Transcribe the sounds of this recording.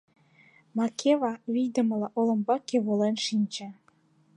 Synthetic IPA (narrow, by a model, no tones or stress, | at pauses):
mɑkʰeβɑβijd̪ə̆məlɑʔolə̆mbɑkeβolenʃinʲt͡ɕĕ